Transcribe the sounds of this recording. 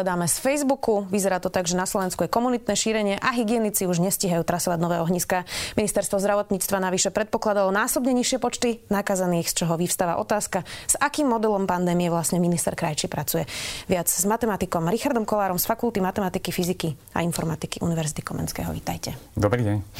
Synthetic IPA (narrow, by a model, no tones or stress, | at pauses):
ɛd̪aːmɛsfɛjzbukuʋizɛɾaːt̪ɔt̪aɡʒɛnaslˠɔʋɛnskujɛkɔmunit̪nɛːʃiːɾɛɲɪɛʔaɦiɡɪɛnit͡siuʒɲɛsciɦajuːt̪ɾasɔʋaɟnɔʋɛːɦɔɦɲiskaminist̪ɛɾst̪ʋɔzd̪ɾaʋɔt̪ɲiːt͡st̪ʋanaʋiʃɛpɾɛt̪̚pɔklad̪alɔnaːsɔbɲɛɲiʃɪɛpɔt͡ʃt̪inakazaniːxst͡ʃɔɦɔʋifst̪aʋa̰ʔɔ̰t̪aːskaz̥akiːmːɔd̪ɛlɔmpand̪ɛːmijɛʋlasɲɛminist̪ɛ̰ɾkɾajt͡ʃipɾat͡sujɛʋɪad͡zzmat̪ɛmat̪ikɔmɾixaɾd̪ɔmkɔlaːɾɔmsfakulˠt̪imat̪ɛmat̪ikifiziki | a̰infɔɾmat̪ikiʔṵniʋɛɾzit̪i̥kɔmɛ̰nskɛ̰ːɦɔ̰ʋḭːt̪ajcɛd̪ɔbɾiːɟɛɲ